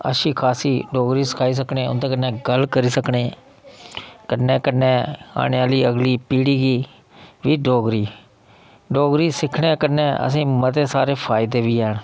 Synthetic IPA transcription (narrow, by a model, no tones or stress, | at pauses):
ə̰ʃiːkʰaːsiːɖoːɡɾiːsə̥kʰaːiːs̬əknẽːʊ̰nt̪ẽːkənːɛ̃ːɡəlkəɾiːsəkneː | kəneːkənːẽːa̰ːɽeaːliːəɡliːpiːɽiːɡiː | ʋiːɖoːɡɾiː | ɖoːɡɾiːsɪkʰɽẽːkənːẽːʔə̰s̬ĩːmət̪eːsaːɾeːpʰaːɪd̪eːʋiːɛːɳ